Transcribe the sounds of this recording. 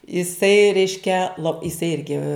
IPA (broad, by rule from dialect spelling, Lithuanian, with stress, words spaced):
ɪˈsɐɪ ˈrʲɛɪʃʲkʲɛ lˠoː ɪˈsɐɪ ˈɪrʲɡʲɪ